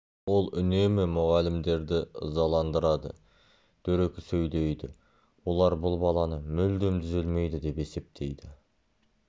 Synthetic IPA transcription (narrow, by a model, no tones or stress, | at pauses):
wo̞lˠʏne̞mɪmʊʁɑlɪmd̪e̞ɾd̪ɪə̰zɑlˠɑnd̪əɾɑd̪ə̰ | d̪̥ɵɾekʲɪsɵjle̞jd̪ɪ | wo̞lˠɑɾbʊlˠbɑlˠɑnəmʏld̪e̞mt̪ʰʏzɪlme̞jd̪ɪd̪e̞pe̞se̞p̚t̪ʰe̞jd̪ɪ